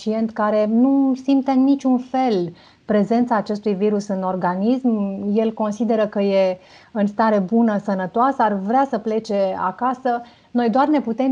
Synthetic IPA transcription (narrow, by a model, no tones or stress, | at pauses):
t͡ʃie̞nt̪kaɾe̞nusimt̪enːit͡ʃʲunfe̞l | pɾe̞ze̞nt̪saːt͡ʃe̞st̪ujviɾusɨno̞rɡanismje̞lko̞nsid̪e̞ɾəkəje̞ | ɨnst̪aɾe̞bunəsənət̪oasəarvɾeasəple̞t͡ʃe̞a̰kasə | no̞jd̪oarne̞put̪e̞m